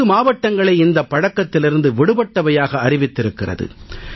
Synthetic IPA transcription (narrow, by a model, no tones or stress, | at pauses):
ɯmaːʋɐʈːɐŋɡɐɭɐɪɪnd̪ɐpːɐɽɐkːɐt̪ːɪlɪɾɯnd̪ɯʋɪɽɯbɐʈːɐʋɐjaːɣɐːɾɪʋɪt̪ːɪɾɯkːɪrɐ̰ðɯ̰